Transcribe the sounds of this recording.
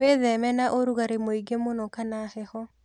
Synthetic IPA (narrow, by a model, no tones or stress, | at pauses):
eðɛmɛnaʔoɾuɣaɾemoiɡemonɔkanahɛhɔ